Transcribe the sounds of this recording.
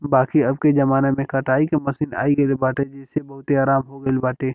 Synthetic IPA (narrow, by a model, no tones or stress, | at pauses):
baːkiɐb̚ked͡ʒɐmaːnemẽkɐʈaːikemɐsiːna̰ːiɡɐlbaːʈed͡ʒɪːsebɐɦʊt̪eaːɾaːmɦoɡɐɪlbaːʈeː